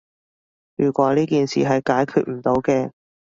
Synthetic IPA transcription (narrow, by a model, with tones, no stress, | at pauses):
jyː˨˩kʷɔː˨˧˥liː˥kiː˨nsḭː˨ɦɐ˨jkaː˨˥jkʰyː˧t̚m̩˨˩t̪o˨˥wkɛː˧